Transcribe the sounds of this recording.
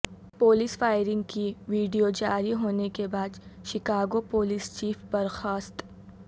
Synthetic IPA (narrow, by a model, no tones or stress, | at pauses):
poːliːsfaːɪɾɪ̃ŋɡkiʋiːɖijod͡ʒaːɾiɦoːnekebaːd̪ʃɪkaːɡopoːliːst͡ʃiːfbɐɾxaːst̪